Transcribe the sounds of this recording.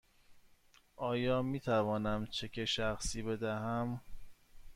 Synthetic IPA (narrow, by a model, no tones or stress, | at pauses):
ʔɒːjɒːmiːt̪ʰævɒːnæmt͡ʃʰecʰeʃæxsiːbe̞d̪æɦæm